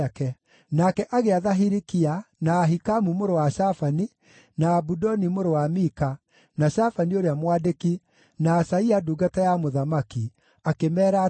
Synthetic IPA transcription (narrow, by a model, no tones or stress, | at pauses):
kɛ | nakɛʔaɣeaðaɦiɾikianaːɦikamumoɾowaʃafani | naːbudɔnimoɾowamika | naʃafanioɾeamwadeki | naːsaiaduɡatajamoðamaki | akemɛːɾa